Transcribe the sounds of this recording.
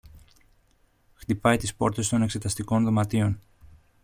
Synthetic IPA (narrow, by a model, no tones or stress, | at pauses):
xt̪ipɐjt̪ispo̞ɾt̪e̞st̪o̞ne̞kse̞t̪ɐst̪iko̞nðo̞mɐt̪io̞n